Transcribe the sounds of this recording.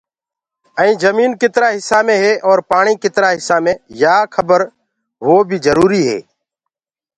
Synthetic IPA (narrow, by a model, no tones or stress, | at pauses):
əĩːzəmiːnkɪt̪ɾaːɦɪsːaːmẽːɦeːʔɔːɾpaːɳiːkɪt̪ɾaːɦɪsːaːmẽːjaːkʰəbəɾ | ʋoːbʱiːzəɾuːɾiːɦɛ̰ː